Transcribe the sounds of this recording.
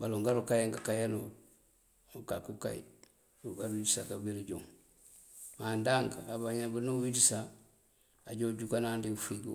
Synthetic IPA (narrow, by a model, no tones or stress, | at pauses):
baluŋɡaɾukajeŋɡakajanu | ukakuka̰j̰ | uɡaɾwidisakabiɾiɟuŋ | mandaŋkabaɲabunuwidisa | aɟoɟukanandifiɡu